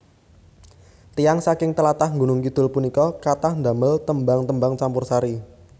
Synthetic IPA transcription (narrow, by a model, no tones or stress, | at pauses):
t̪ijaŋsakɪŋt̪əlat̪ahŋɡunʊŋkid̪̥ʊ̤lpunikɔkat̪ahnd̪aməlt̪əmbaŋt̪əmbaŋt͡ʃampʊrsaɾi